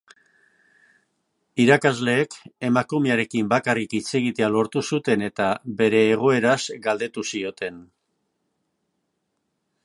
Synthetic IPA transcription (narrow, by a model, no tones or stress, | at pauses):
iɾakazle̞ːke̞makume̞aɾe̞kimbakarikit͡se̞ɣit̪e̞alo̞ɾt̪usut̪e̞ne̞t̪aβe̞ɾe̞ːɣ̞o̞e̞ɾazɡald̪e̞t̪usio̞t̪e̞n